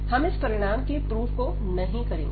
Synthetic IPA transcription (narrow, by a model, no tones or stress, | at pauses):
hɐmɪspɐɾɪɽ̃aːmkepɾuːfko | nɐɦĩkɐɾḛ̃ːŋɡ